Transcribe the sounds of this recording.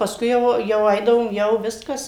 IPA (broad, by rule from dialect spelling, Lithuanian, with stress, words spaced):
pɐˈskʊɪ jɛʊ jɛʊ ˈɐɪdɐʋoːm ˈjɛʊ ˈʋʲɪskɐs